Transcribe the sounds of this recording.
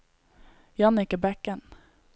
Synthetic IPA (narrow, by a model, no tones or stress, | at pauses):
jɑnɪkəbɛkːən